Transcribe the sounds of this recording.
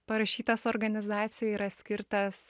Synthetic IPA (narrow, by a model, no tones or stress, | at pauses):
pɐɾɐʃʲiːt̪ɐsoɾɡɐnʲɪzɑːt̪sʲɪjɛiːɾɐsʲkʲɪɾt̪ɐs